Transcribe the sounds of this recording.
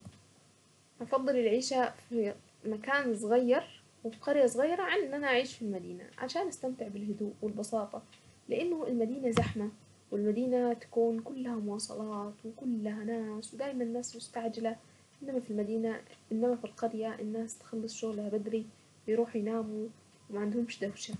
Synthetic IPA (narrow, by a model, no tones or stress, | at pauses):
ʔɑfɑd̪ˤːɨlɪlʕiːʃafi | makaːns̬ˤɣɑjːɑɾˤ | wɪfi̥qɑɾjasˤɣɑjːɑɾˤɑʕanʔɪnːʔanaʔaʕiːʃfilmad̪iːna̰ʕa̰ʃaːnʔast̪amt̪ɪʕbɪlɦʊd̪uːʔwɪlbɑsɑːt̪ˤɑ | lɪʔɪnːʊɪlmad̪iːnazaħma | wɪlmad̪iːnat̪ḁkuːnkʊlːahamʊwɑːsˤɑ̰lɑːt̪wɪkʊlːaɦanaːswɪd̪aːjmanɪnːaːsmʊst̪aʕd͡ʒɪla | ʔɪnːamafilmad̪iːnaʔɪnːamafilqɑɾjaʔɪnːaːst̪xɑlːɨsˤʃʊɣlhabad̪ɾi | wjɾuːħjnaːmu | wmaʕand̪hʊmʃd̪awʃa